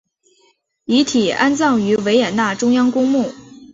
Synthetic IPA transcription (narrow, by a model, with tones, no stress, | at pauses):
i˧˥t̪ʰi˨˩a˥nt͡sɑ˥˩ŋy˧˥we˧˥ɪjɛ˨˩nna˥˩ʈ͡ʂʊ˥ŋjɑ˥ŋkʊ˥ŋmu˥˩